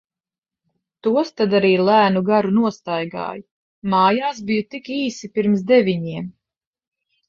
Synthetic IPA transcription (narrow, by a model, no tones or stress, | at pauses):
t̪uɔst̪ad̪aɾiːlˠæːnuɡaɾunuɔst̪ajɡa̰ːjuː | aːjaːsbijut̪ikiːsipiɾmsd̪ɛvʲiɲiɛm